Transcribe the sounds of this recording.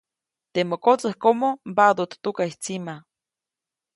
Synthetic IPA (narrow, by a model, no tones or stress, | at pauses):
t̪emokot͡sahkomobad̪ot̪t̪ukaiht͡sima